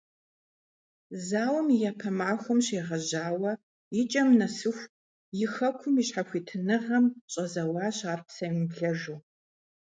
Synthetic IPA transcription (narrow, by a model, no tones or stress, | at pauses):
zaːwɐmijapʰɐmaːxʷʊmɕeːʁɐʑaːwɐ | jɪt͡ʃʼɐmnɐsɨxʷ | jɪxɐkʷʰʊmiɕħaxʷiːtʰɨnɨʁɐmɕʼɐzɐwɑːɕaːrpʰsɐjmɨbɮɐʒuː